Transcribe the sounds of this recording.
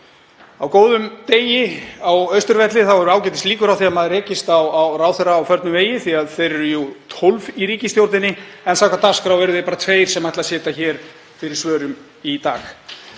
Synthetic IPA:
awkoːwðʏmt̪eːjɪawœɥst̪ʏɾvɛt̪lɪθawvaɾʏaːwcɛːt̪̬ɪst̪liːkʏɾawθiamaðɾɛːcɪst̪awawraːwθɛɾaːwfœɾt̪nʏmveːjɪθiaðθejɾɛɾʏjut̪ʰolviɾiːcɪst̪jowɾt̪ɪnːɪɛnsaːwkat̪askfɾawvɛɾʏðɪpaɾat̪ʰveːjɾ̥sɛmajht̪lasɛːt̪açɛːɾ̥ | fɪɾɪɾ̥svœːɾʏm | it̪a̰ːx

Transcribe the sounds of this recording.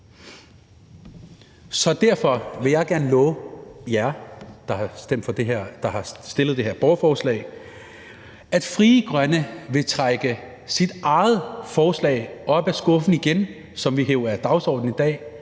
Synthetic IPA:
sɒ̽d̥æɐ̰fɒ̽ʋe̝jɑ̈ɪɡ̥æɐn̩lɔːjæɐd̥ɑ̈hɑ̈sd̥em̰d̥fɒd̥eɦeɐ̰d̥ɑ̈hɑ̈sd̥e̝lð̞̩ˠd̥e̝ɦeɐ̰b̥ɒʊɐfɒːslɛ̰ɪ | ʔæd̥fʁiːəɡ̥ʁɶnəʋe̝t͡sʰʁaɡ̥ə | sid̥ʔɑ̈ɪð̩ˠfɒːslɛ̰ːɪʔɒ̽b̥æsɡ̥ɔ̽fn̩iɡ̥en | sɒ̽mʋiɦeʊɐæɐd̥ɑ̈ʊsɒ̰ːd̥̚n̩id̥ɛ̰ː

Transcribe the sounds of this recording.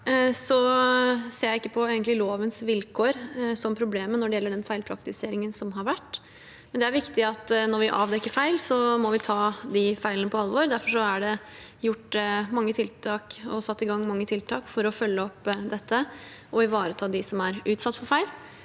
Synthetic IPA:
sɔ | seːɾjæɪɪkːəpʰɔeːɡənt̪lɪloːʋənsʋɪlkʰoːɾsɔmpʰɾʊbleːmənɔɖɛjɛlːəɖɛnfæɪlpʰɾɑ̰kt̪ɪseːɾɪŋənsɔmɦɑɾʋæʈː | mɛnd̪ɛæɾʋɪkt̪ɪɑt̪ːnɔɾʋɪʔɑːʋd̪ɛkːəɾfæɪlsɔmɔʋɪt̪ʰɑːd̪ifæɪlənəpʰɔɑlʋoːɾd̪æɾfɔʂɔæɖɛ | jʊʈːmɑŋːət̪ʰɪlt̪ʰɑːkɔsɑt̪ːɪɡɑŋːmɑŋːət̪ʰɪlt̪ʰɑːkfɔɾɔfœlːəɔpːd̪ɛt̪ʰːə | ʔɔɪʋɑːɾət̪ʰɑːd̪ɪsɔmæɾʉːt̪sɑt̪ːfɔɾfæɪl

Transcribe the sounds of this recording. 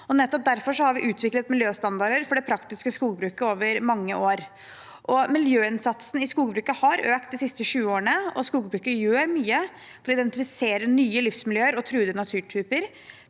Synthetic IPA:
ɔnɛt̪ːɔp̚d̪æɾfɔʂɔhɑɾʋɪʔʉːt̪ʰʋɪklət̪mɪljøːst̪ɑnd̪ɑɾəɾfɔɖɛpʰɾɑkt̪ɪskəskuːɡ̚bɾʉːkəoːʋəɾmɑŋːəʔoːɾ | ʔɔmɪljøːɪnsɑt̪sn̩ɪskuːɡbɾʉːkəhɑɾøːkt̪d̪ɪsɪst̪əʂʉːəoːɳəɔ̰skuːɡbɾʉːkəjøːɾmyːə | fɔɾɔɪd̪ɛnt̪ɪfɪseːɾənyːəlɪfsmɪljøːəɾɔt̪ʰɾʉːd̪ənɑt̪ʰʉːʈʰyːpəɾ

